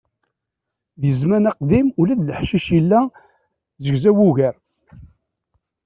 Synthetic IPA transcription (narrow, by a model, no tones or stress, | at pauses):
ðjəzmænɑqd̪imulæd̪ləħʃiʃilːæ | zəɡzæwuʝæɾ